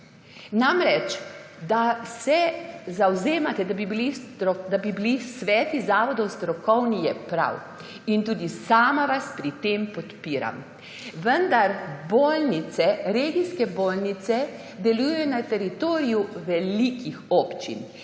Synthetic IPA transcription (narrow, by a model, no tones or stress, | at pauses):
namɾɛt͡ʃd̪asɛzawzeːmat̪ɛd̪abibiliɔd̪abibilisʋɛːt̪izaːʋɔd̪ɔwst̪ɾɔkɔwnijɛpɾa̰w | int̪uːd̪isaːmaʋaspɾit̪empɔt̪piːɾa̰m | ʋənd̪aɾboːlnit̪sɛɾeːɡiskɛboːlnit̪sɛ | d̪ɛlujɛjɔnat̪ɛɾit̪oːɾijuʋɛlikixɔːpt͡ʃḭn